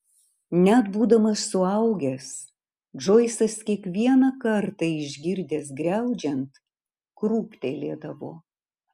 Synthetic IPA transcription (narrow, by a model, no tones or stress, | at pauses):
nʲɛt̪buːd̪ɐmɐsʊɐʊɡʲɛs | ʒoːɪsɐskʲiɛkʋʲiɛnɐkɐɾt̪ɐɪʒʲɡʲɪɾʲd̪ʲɛs̬ɡɾʲɛʊd͡ʒʲɛnt̪ | kɾuːpʲt̪ʲelʲeːd̪ɐʋoː